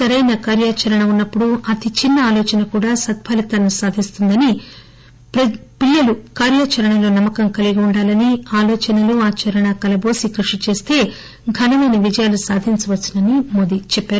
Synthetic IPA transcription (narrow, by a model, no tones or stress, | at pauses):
sɐɾɐjnɐkaːɾjaːt͡ʃɐɾɐɳɐunːɐpːuɽuɐt̪it͡ʃinːɐaːloːt͡ʃɐnɐkuːɽaːsɐt̪̚pʰɐlit̪ɐnːusaːd̪ʱist̪und̪ɐni | ppiljɐlukaːɾjaːt͡ʃɐɾɐɳɐlo̞ːnɐmːɐkɐmkɐliɡiuɳɖaːlɐniaːloːt͡ʃɐnɐluaːt͡ʃɐɾɐɳɐkɐlɐbo̞ːsikɾuʂit͡ʃe̞ːst̪e̞ː | ɡʱɐnɐʋɐːnɐʋid͡ʒɐjaːlusaːd̪ʱiɲt͡ʃɐʋɐt͡ʃːinɐnimoːd̪it͡ʃɛpːaːɾu